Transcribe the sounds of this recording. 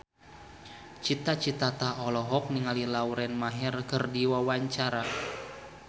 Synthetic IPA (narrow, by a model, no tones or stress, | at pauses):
t͡ʃit̪at͡ʃit̪at̪aɔlɔɦɔk̚niŋalilauɾɛnmaɦɛrkərdiwawaɲt͡ʃaɾa